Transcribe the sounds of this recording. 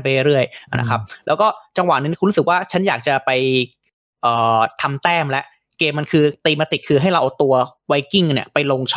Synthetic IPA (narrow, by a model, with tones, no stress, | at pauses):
pa˧ɾɯ˥˩əjʔa˧˩nʔa̰˦˧˥kʰa˦˥p̚lɛː˦˥wkɔː˥˩t͡ɕa˧ŋwaː˨˩nː˧˦˥kʰu˧ɾu˦˥sɯ˨˩k̚waː˥˩t͡ɕʰa˦˥njaː˨˩k̚t͡ɕa˨˩pa˧j | ʔɤː˨˩t̪ʰa˧mt̪ɛː˥˩mlɛ˦˥ʔ | keː˧mːa˧nkʰɯː˧t̪iː˧ma˧t̪i˨˩kʰɯː˧ɦa˥˩jɾa˧wt̪u˧ɐwa˦˩jki˥˩ŋni˥˩ɐpa˧jlo˧ŋt͡ɕʰ